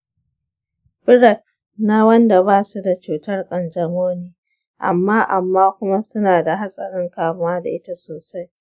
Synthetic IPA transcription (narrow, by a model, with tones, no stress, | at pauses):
bɪ˦ɽɐ˨t̚ | na˦wɐ˦nda˨baː˦su˦da˨t͡ʃuː˨tɐ˦rkʼɐ˨nd͡ʒɐ˨moː˦niː˦ | ʔa̰˨mːaː˦ʔa˨mːaː˦kʷʊ˦ma˦sʊ˦naː˨da˨ɦa˦sʼɐ˨ɾɪ˦ŋkaː˦mʊ˦waː˦da̰˨ʔɪ˦ta˦soː˨sa˦j